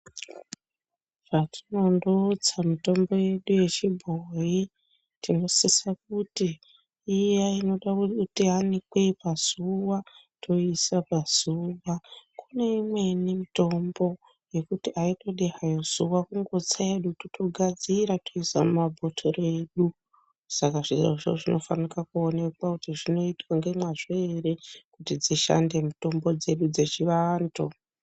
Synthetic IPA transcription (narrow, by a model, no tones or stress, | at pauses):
ʐatʰino̞ndot͡samito̞mbo̞je̞ɗuje̞t͡ʃibʱoji | tino̞sisak̚utiː | jaino̞ɗatianikwe̞ipaz̥uwa | tʰo̞isapaz̥uːwakune̞imwe̞nimito̞mbo̞ | je̞kutiʔaito̞ɗeɦajoz̥uwakuŋɡo̞t͡saeɗutitʰo̞ɡʱad͡ziɾatʰo̞isa̰mumabʱotʰore̞ːɗu | sakaʐiʐo̰ʐo̰ʐino̞fanikakuone̞kwakutiʐino̞itwaŋɡe̞mwaʐ̥eerekutid͡ziʃa̰nde̞muto̞mbo̞d͡ze̞ɗud͡ze̞t͡ʃiʋando